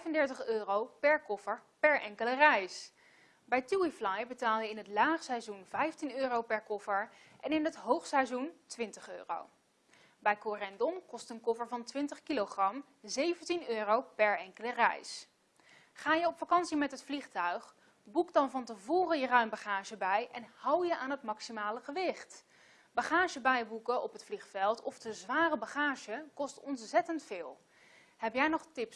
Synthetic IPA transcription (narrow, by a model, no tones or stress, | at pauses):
ɛjvəndɛɹtəχøːrowpɛɹkɔfəɹpɛɹɛŋkələrɛjs | bɛjtuiflajbətaːlˠjəɪnɦətlaːχsɛjzunvɛjftinøːrowpɛɹkɔfəɹʔɛnɪnɦətɦowχsɛjzuntʋɪntəχø̰ːro̰w | bɛjkorɛndɔmkɔstənkɔfəɹvɑntʋɪntəχkiloχrɑm | zejvəntinøːrowpɛɹɛŋkələrɛ̰js | χaːjəɔpfakɑnsimɛtɦətfliχtœɥχ | bukdɑnvɑntəvoːrəjərœɥmbaχaːʒəbɛjʔɛnhʌwjəʔaːnɦətmɑksimaːləχəʋɪχt | baχaːʒəbɛjbukəʔɔpɦətfliχfɛlˠtʰɔfdəzʋaːrəbaχaːʒəkɔstɔnsɛtəntfɪːlˠ | ɦɛpjɛjnɔχtɪps